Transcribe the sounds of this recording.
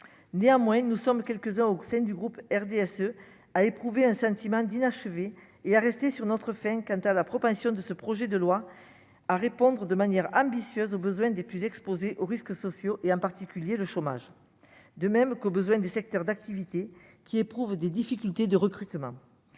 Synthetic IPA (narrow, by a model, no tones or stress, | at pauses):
neɑ̃mwɛ̃nusɔmkʲɛlkəzɛ̃osɛ̃d̪yɡʁupɛʁd̪eɛsø | aepχuveɛ̃sɑ̃t̪imɑ̃d̪inaʃəveː | aʁɛst̪esyʁnɔt̪χəfɛ̃kɑ̃t̪alapχɔpɑ̃sjɔ̃d̪əsəpχɔʒɛd̪əlwa | aʁepɔ̃d̪ʁəd̪əmanjɛʁɑ̃bisjøzobəzwɛ̃d̪eplyzɛkspozeʔoʁiskəsɔsjoʔeɑ̃paʁt̪ikʲyljeləʃɔma̰ʒ | d̪əmɛmkobəzwɛ̃d̪esɛk̚t̪œʁd̪ak̚t̪ivit̪e | kʲiepχuvd̪ed̪ifikʲylt̪ed̪əʁəkχyt̪mɑ̃